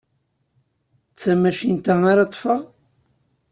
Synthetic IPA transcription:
t͡sːæmæʃint̪aŋaɾɑt̪ˤːfəʁ

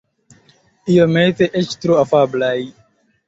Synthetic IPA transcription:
ijomet̪eʔet͡ʃt̪ɾoafablaj

